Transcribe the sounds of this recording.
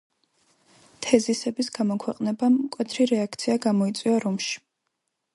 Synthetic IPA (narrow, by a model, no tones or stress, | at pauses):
t̪ʰɛzisɛbisɡamɔkʰwɛqʼnɛbamkʼwɛt̪ʰɾiɾɛak̚t̪sʰiaɡamɔit̪sʼwiaɾumʃi̥